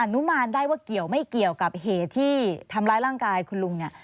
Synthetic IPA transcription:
ʔa˨˧˩nu˦˥maː˧ndaː˥˩jwaː˥˩ki˨˩əwma˥˩jki˨˩əwka˨˩p̚ɦeː˨˩t̪ʰːiː˥˩t̪ʰa˧mɾaː˦˥jɾaː˥˩ŋkaː˧jkʰu˧nlu˧ŋni˥˩

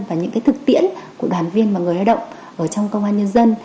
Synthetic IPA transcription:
nvaː˨˩ɲɨ̰˧˥ŋkːjt̪ʰɨ˨˩k̚t̪ḭ˧˥ənku˧˩əɗwaː˨˩nvi˧ənmaː˨˩ŋɨ˨˩əjha˧˩ɗə̰˧˨ŋ͡m | ʔəː˧˩t͡ɕɔ˧wŋ͡mkə˧waː˧nɲə˧nzə˧n

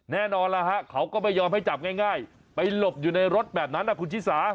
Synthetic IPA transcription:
nɛː˥˩nɔː˧nla˦˥ɦa˦˥ʔkʰa˦˥wkɔː˥˩ma˧˩jːɔː˧mha˥˩jt͡ɕa˨˩p̚ŋaː˥˩jŋaː˥˩j | pa˧jlo˨˩p̚juː˨˩na˧jɾo˦˥t̪̚bɛː˨˩p̚na˦˥nʔa˦˩ku˧nt͡ɕʰi˦˥saː˩˦

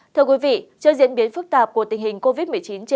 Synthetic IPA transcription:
t̪ʰɨ˧əkwi˨˦vḭ˧˨t͡ɕəː˧zḭ˧˥ənɓi˨˦ənfɨ˦˥k̚t̪aː˨˩p̚ku˧˩ət̪ŋhï˨˩ŋ̟ko˧vi˦˥t̚m˨˩əjt͡ɕi˨˦nt͡ɕ

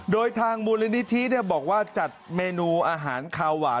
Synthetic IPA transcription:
doː˧jt̪ʰaː˧ŋmuː˧la˦˥ni˦˥t̪ʰi˦˥ni˥˩ɐbɔː˨˩k̚waː˥˩t͡ɕa˨˩t̪̚meː˧nuː˧ʔaː˧ɦaː˩˦nkʰaː˧waː˩˦

